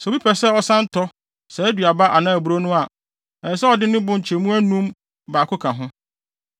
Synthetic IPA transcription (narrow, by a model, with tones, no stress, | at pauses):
sɛ˨bi˦pʰɛ˨sɛ˦ɔ˨sã˦n̩˦tʰɔ˦ | sɛ˨æ˦dɥa˨ba˦ʔa˨nãː˦˨æ˨bu˨ɾo˦nʊ̃˦a˨ | ɛ˨sɛ˦ɔ˨dɪ˦nɪ̃˦bʊ̃˦ɲ̩˨t͡ɕʰe˨mũ˦æ˦nũ˦m | baː˨kʰʊ˦kʰã˨ɦʊ̃˦